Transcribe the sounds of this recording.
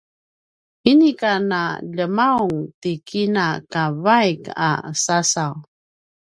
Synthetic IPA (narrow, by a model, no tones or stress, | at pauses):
inikanaʎəmauŋtikʰinakavajka̰sasaw